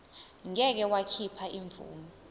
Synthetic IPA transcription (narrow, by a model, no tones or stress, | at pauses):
ŋɛk̬ɛwakʰipʰaʔiɱvṵːmi